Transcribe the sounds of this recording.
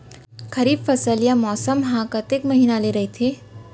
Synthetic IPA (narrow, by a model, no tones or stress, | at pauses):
kɐɾiːbfɐsəlijamɔːsəmɦãkɐt̪eːkmɐɦiːnaleɾɐɦet̪ʰeː